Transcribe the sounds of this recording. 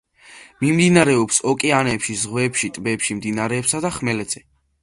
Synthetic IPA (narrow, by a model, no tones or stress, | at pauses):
mimd̪inaɾɛɔpsɔkʼɛanɛpʃizʁwɛːpʃit̪ʼbɛːpʃimd̪inaɾɛːpsad̪aχmɛlɛd̪z̥ɛ